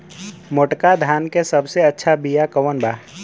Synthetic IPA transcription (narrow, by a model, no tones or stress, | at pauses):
moʈkad̪ʱaːnkesəbseɐtːʃʰabijakəwənbaː